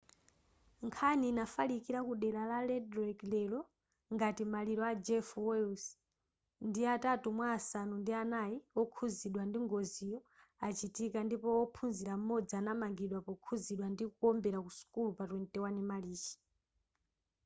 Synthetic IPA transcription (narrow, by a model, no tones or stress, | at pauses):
ŋkʰaniːnafalikiɾakuɗɛlalalɛdɾɛklɛlɔ | ŋɡatimaliɾɔad͡ʒɛfwɛus | ndiatatumwaːsanundianajiɔkʰuziɗwandiŋɡɔzijɔ | at͡ʃitikandipɔɔpʰunziɾam̩mːɔd͡zianamaŋɡiɗwapɔkʰuziɗwandikukɔmbɛɾakusu̥kulupatwɛntɛwanimaliːt͡ʃi̥